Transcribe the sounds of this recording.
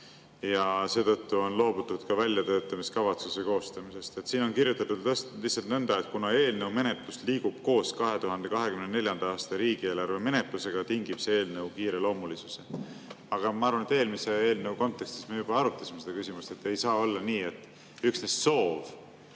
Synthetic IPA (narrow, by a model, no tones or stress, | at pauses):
jɑse̞ːt̪ɤt̪ːuo̞nlo̞ːbut̪ːˑud̪̥kɑvælʲjɑt̪ø̞ːt̪ˑːɑmiskɑvɑt̪suse̞ko̞ːst̪ɑmise̞st̪e̞t̪siːno̞nkiɾjut̪ːˑɑt̪ːud̪t̪æslihtsɑlt̪nɤnd̪̥ɑet̪̚kunɑe̞ːlne̞wme̞net̪lusliːɡ̥ub̥̚ko̞ːskɑɦe̞t̪uɦɑnd̪̥e̞kɑɦe̞kymnene̞lʲjɑnd̪ɑɑːst̪ɑɾiːɡ̥ie̞ːlɑrve̞me̞ne̞t̪luse̞ɡ̥ɑt̪iŋɡ̥ib̥see̞ːlne̞wkiːɾe̞lo̞ːmulisu̥se | ɑɡ̥ɑmɑɑɾvɑnet̪ːˑeːlmisee̞ːlneuwko̞nt̪ːˑekst̪ismejub̥ɑɑɾut̪ːˑɑsimeed̪ɑkysimust̪e̞t̪ːe̞jsɑːo̞lːɑniːe̞t̪ːˑ | yksnesso̞ːv